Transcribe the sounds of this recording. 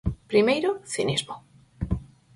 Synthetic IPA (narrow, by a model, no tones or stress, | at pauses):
pɾimejɾoθinizmo